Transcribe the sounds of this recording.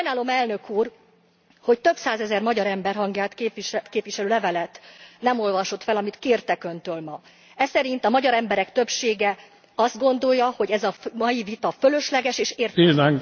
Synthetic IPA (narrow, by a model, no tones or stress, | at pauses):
ɔnaːlo̞mɛlnøkuːr | ho̞c̚t̪ø̞psaːzɛzɛrmɒɟɒɾɛmbɛrɦɒŋɡjaːt̪keːpiʃt̪keːpʋiʃɛløːlɛvɛlɛt̪nɛmo̞lvɒʃo̞t̪fɛlɒmit̪keːrt̪ɛkø̞nt̪øːlmɒ | ɛsɛɾint̪ɒmɒɟɒɾɛmbɛɾɛkt̪ø̞pʃeːɡɛ | ɒzd̪ɡo̞nd̪o̞jːɒho̞ɟɛzɒmɒjivit̪ɒfølø̞ʃlɛɡɛʃeːʃeːrinaŋ